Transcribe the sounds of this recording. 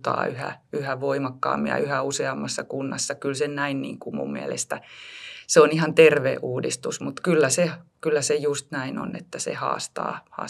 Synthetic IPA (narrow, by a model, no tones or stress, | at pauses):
t̪ɑ̰ːyhæ̰yhæʋoimɑkːɑ̰ːmːḭɑ̰yhæuseɑmːɑsːɑkunːɑsːɑkylsennæinnḭːŋkumṵmmiælḛst̪æseonihɑnt̪erʋḛːuːdist̪usmut̪kylːæsekylːæsejust̪næino̰nḛt̪ːæsḛhɑ̰ːst̪ɑ̰ːhɑ̰ː